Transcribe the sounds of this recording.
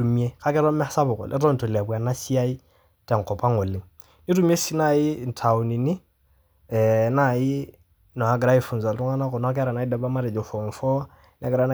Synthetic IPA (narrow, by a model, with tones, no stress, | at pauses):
u˨mi˦e˦ka˦kɛ˦ɾɔ˦mɛ˦sa˦bɔ˨kɔ̰˨lʔɛ̰˦ɾɔ˦n˨tɔ˨la˨ba˨na˦si˦a˦i˦ | tɛ˨ŋ̩˨kɔ˨pa˦ŋɔ˨li˨ŋ | ni˦ɾu˦mi˦e˦si˦na˦˨ji˦˨n̩˨tʰa˨u˨ni˨ni˦ | ɛ˨na˦˨ji˦ | nɔ˨a˨˦ɡɾa˦i˦fu˨n˨za˨lɾu˦ŋa˦na˦kɔ˨nɔ˦a˦k̬ɛ˦ɾa˨na˨i˦dɛ˨ba˦ma˦ɾɛ˨d͡ʒɔ˨fɔ˨ŋ˨fɔ˦ | n˦a˦ɡɾa˦na˦